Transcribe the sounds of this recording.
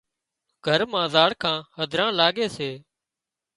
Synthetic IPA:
ɡʱəɾmãːzaːɽkʰãːhəd̪ʱɾãːlaːɠeːseː

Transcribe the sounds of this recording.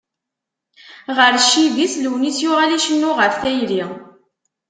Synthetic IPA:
ʁəɾʃivisləwnit͡sːjʊʁaliʃənːʊʁəfθæjɾi

